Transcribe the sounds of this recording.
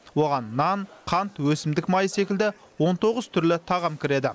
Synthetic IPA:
wo̞ʁɑnːɑnqʰɑnt̪wɵsɪmd̪ɪkmɑjəse̞kʲɪld̪ɪ | wo̞nt̪ʰo̞ʁəz̥t̪ʰʏɾlɪt̪ʰɑʁɑmkʲʰɪɾe̞d̪ɪ

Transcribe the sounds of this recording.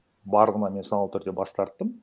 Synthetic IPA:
bɑɾʁənɑme̞nsɑnlˠət̪ʰʏɾd̪e̞bɑst̪ɑɾt̪ːəm

